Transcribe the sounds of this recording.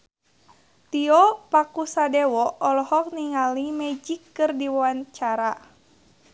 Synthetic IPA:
t̪iɔpakusadɛwɔɔlɔhɔk̚niŋalimɛd͡ʒikːɨrdiwɔant͡ʃaɾa

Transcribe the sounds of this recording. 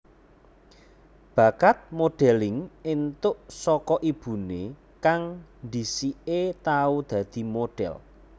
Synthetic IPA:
b̥a̤kat̪̚moɖ̥ɛ̤lɪŋɪnt̪ʊʔsɔkɔʔib̥ṳne | kaŋnd̪isiet̪aud̪̥ä̤d̪̥i̤moɖ̥ɛ̰l

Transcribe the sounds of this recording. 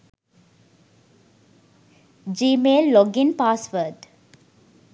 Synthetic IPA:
d͡ʒiːmeːlːɔɡɪ̃npaːsʋəːd̪

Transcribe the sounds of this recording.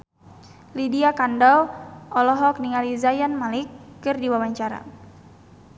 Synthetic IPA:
lidiakandɔwɔlɔɦɔk̚niŋalizajanmalikːɨrdiwawaɲt͡ʃaɾa̰

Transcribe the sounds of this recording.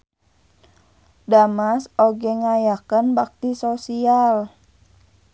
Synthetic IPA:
damasoɡɛŋajakənbak̚t̪isosial

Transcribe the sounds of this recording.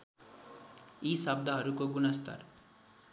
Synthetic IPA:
isʌb̚d̪ʱʌɦʌɾukoɡunʌst̪ʌ̰r

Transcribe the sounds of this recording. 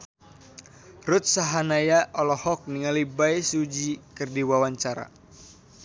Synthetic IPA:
rʊt̪̚saɦanajaʔɔlɔhɔk̚niŋalibajsud͡ʒikɨrdiwawaɲt͡ʃaɾa̰

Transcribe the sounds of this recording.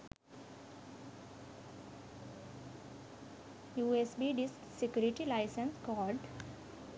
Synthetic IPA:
juːesbiɖisksekjuːɾiʈilaɪsə̃nskɔːɾɖ

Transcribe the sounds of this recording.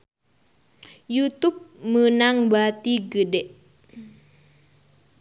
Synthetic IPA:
jut̪up̚mənaŋbat̪iɡədɛʔ

